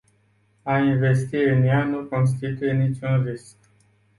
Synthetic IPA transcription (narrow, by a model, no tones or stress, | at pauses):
ainve̞st̪iɨnjanuko̞ns̬t̪it̪uje̞nit͡ʃunrisk̚